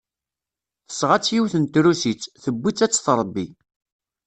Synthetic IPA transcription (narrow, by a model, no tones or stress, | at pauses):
θə̥sʁat͡sːjiwθənt̪ɾusit͡sːθəbːit͡sːæt͡sːθɾˤəbːi